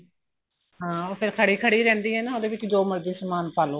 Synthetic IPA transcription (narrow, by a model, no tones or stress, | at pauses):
ɦãːoːpʰɪɾkʰəɽiːkʰəɽiːɾɛ̃ːnd̪iːɦɛːnãːoːd̪eːʋɪt͡ʃd͡ʒoːməɾd̪iːsəmaːnpaːloː